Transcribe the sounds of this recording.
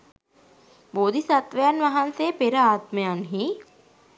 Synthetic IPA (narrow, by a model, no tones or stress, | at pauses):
boːd̪isat̪ʋəjanʋaɦansepeɾəaːt̪məjanɦi